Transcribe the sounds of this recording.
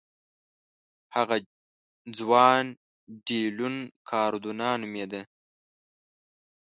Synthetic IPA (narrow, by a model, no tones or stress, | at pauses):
haɣa | d͡zwɑːn | ɖiːlunkʰɑːɾd̪unɑːnumed̪ə